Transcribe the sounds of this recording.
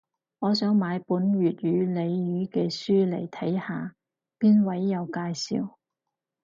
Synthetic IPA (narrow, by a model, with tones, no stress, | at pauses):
ŋɔː˨˧sœː˨˥ŋmaː˨˧jpuː˨˥nɥyː˨t̚jyː˨˧le˨˧jjyː˨˧kɛː˧syː˥lḛ˨˩jt̪ʰɐ˨˥jhaː˨˧ | piː˥nwɐ˨˥jːɐ˨˧wkaː˧jsḭː˨˧w